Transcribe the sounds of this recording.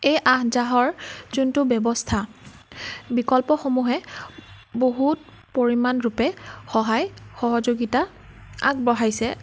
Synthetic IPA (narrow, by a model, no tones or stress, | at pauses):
ejʔaɦzaɦɔɹzuntʊbɛbɔstʰa | bikɔlpɔxomuɦɛ | boɦut̚ | poɹimanɹupɛxɔɦajxɔɦɔzoɡita | a̰k̚bɔɦajsɛ